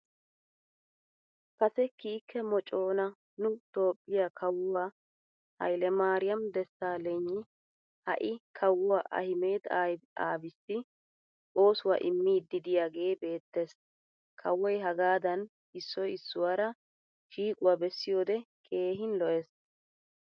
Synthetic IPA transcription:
kɐsɛkiːkːɛmɔt͡ʃʼːo̞ːnɐ | nʊt̪o̞ːpʼːɪjakʰɐwːwa | hɐ̰jlɛmaːɾɪjɐmd̪ɛsːaːlɛɲːɪ | hɐ̰ʔɪkʰɐwːʊwaʔɐ̰hɪmeːd̪aa̰ːbɪsːɪ | ʔo̞ːsʊwa̰ːʔɪmːiːd̪ɪd̪ɪjaːɡe̞ːbe̞ːt̪ːeːs | kʰɐwːɔjɦɐɡaːd̪ɐn | ɪsːɔjɪsːʊwaɾɐ | ʃiːkʼʊwabɛsːɪjo̞ːd̪ɛkʼe̞ːɦɪnlɔʔɛs

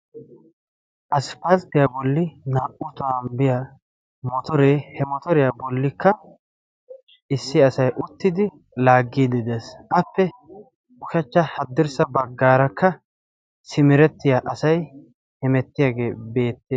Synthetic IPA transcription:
ʔɐspɐlt̪ːɪjabɔlːɪnaːʔʊt̪ʊanbɪja | mɔt̪ɔɾeːhɛmɔt̪ɔɾɪjaːbɔlːɪkːɐ | ɪsːɪɐsɐjʔʊt̪ːɪd̪ɪ | laːɡːiːd̪ɪd̪esʔɐpːɛ | ʊʃɛt͡ʃːɐhɐd̪ːɪɾsɐbɐɡːaːɾɐkːɐ | sɪmɪɾɛt̪ːɪjaːʔɐsɐj | hɛmɛt̪ːɪjaːɡe̞ːbe̞ːt̪ːeː

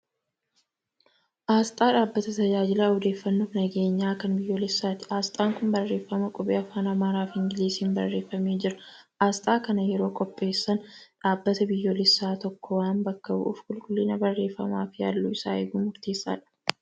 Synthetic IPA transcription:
ʔaːst̪ʼaːᶑaːbːɐt̪ɐt̪ɐd͡ʒaːd͡ʒɪlaːhɔd̪e̞ːfːɐnːuːfnɐɡe̞ːɲːaːkɐnbɪjːoːlɪsːaːt̪ɪ̥ʔaːst̪ʼaːŋkʊnbɐrːe̞ːfːɐmɐkʼʊbeːɐfaːnɐmaːɾaːfɪŋɡɪliːsiːnbɐ̰rːe̞ːfːɐmeːd͡ʒɪɾɐ | ʔaːst̪ʼaːkɐnɐjɛɾo̞ːkʼɔpʼːe̞ːsːɐnᶑaːbːɐt̪ɐbɪjːoːlɪsːaːt̪ɔkːɔwaːnbɐkːɐbʊ̰ʔʊ̰fkʊlkʼʊlːɪnɐbɐrːe̞ːfːɐma̰ːfɪja̰ːlːuɪsa̰ːḛːɡuːmʊɾt̪e̞ːsːa̰ːᶑɐ̥

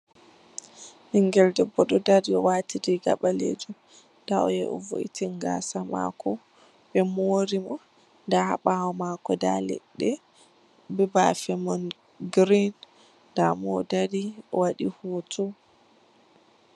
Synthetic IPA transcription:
hiŋɡɛldɛbɔɗɔdaɾiɔwatʰidiɡa̰ɓalḛd͡ʒum | daɔjɛʔɔ̰vo̰ʔḭtiŋɡa̰sama̰kɔ | ɓɛmoɾimɔ | ndahaɓawɔmakɔdalɛ̰ɗːɛ | bɛbafɛmɔn | ɡɾin | damɔdadiɔwaɗihoːtʰɔ

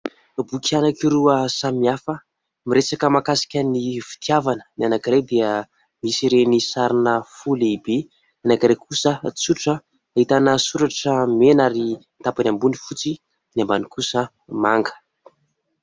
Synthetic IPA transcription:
bukʰianakiɾuəsamiafə | miɾet͡sakəmakasi̥kʲənifi̥t̪iavanənianakiɾed̪eə | misiɾenisaɾinəfuliibe | anakiɾekʰusət͡suʈ͡ʂəː | it̪anəsuɾaʈ͡ʂəmenaɾi | t̪apanʲambunifut͡si | nambanikusə | maŋɡə̥

